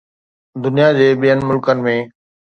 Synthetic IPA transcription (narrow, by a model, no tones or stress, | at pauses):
d̪ʊnijad͡ʑeːɓijənɪ̆mʊlkənɪ̆mẽː